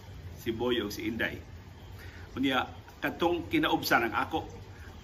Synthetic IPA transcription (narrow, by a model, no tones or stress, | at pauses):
sibojoʊɡsiʔɪnda̰j | kʊnjakat̪ʊŋkɪnaʔʊbsanaŋʔa̰koʔ